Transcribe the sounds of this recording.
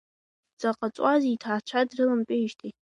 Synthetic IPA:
d͡zaqʼat͡sʼazitʰaːt͡ʃʷʰadrɨlɨmpʼɪʒtʼʰi

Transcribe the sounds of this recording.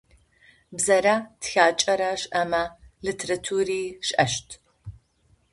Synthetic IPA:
bzɐɾaːtxaːt͡ʃʼɐɾaɕɐmɐlɨtʰeɾɐtʰuːriːɕʼʔɐʃtʰ

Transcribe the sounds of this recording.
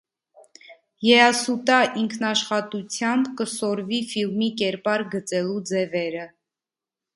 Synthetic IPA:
jɛɑsut̪ɑʔiŋkʰnɑʃχɑt̪ut͡sʰjɑmbkəsɔɾvifilmikɛɾpɑɾɡət͡sɛlud͡zɛvɛɾə

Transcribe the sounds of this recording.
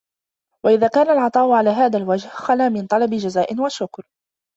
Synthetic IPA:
waʔɪðaːkaːnalʕɑt̪ˤɑːʔʊʕalaːɦaːðalwad͡ʒhxanaːmɪnt̪ˤɑlɑbɪd͡ʒazaːʔɪnwaʃʊkɾ

